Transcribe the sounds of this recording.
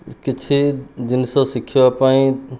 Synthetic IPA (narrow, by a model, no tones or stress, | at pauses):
kɪt͡ʃʰid͡ʒɪnsɔ̃sikʰjapaĩ